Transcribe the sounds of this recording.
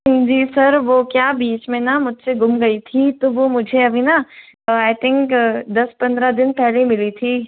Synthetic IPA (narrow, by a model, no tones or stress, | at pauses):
d͡ʒiːsɐɾʋokjaːbiːt͡ʃmẽnamʊd͡ʒ̪seɡʊmɡɐit̪ʰit̪oʋomʊd͡ʒʱeɐbʱina | aːɪt̪ʰɪ̃ŋkd̪ɐspɐ̃nd̪ɾad̪ɪnpɛɦlemɪlit̪ʰiː